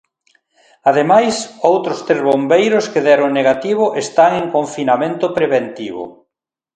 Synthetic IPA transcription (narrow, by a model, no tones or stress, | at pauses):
aðemajsowt̪ɾʊst̪ɾezβombejɾʊskeðɛɾoŋneɣat̪iβ̞ʊʔest̪aŋeŋkoɱfinamẽnt̪ʊpɾeβent̪iβʊ̰